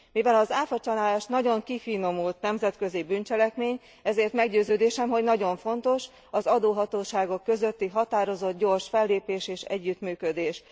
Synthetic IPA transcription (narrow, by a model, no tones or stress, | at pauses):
mivɛlɒzaːfɒt͡ʃɒnaːlaːʃnɒɟo̞ŋkifino̞mult̪nɛmzɛt̪kø̞zibyːnt͡ʃɛlɛkmeːɲ | ɛzeːrt̪mɛɡɟøːzøːd̪eːʃɛmɦo̞ɟnɒɟo̞ɱfo̞nt̪o̞ʃ | ɒzɒd̪oːɦɒt̪oːʃaːɡo̞kːø̞zø̞t̪ːiɦɒt̪aːɾo̞zo̞t̪̚ɟo̞rʃfɛlːeːpeːʃeːʃɛ̰ɟːyt̪myːkød̪eːʃ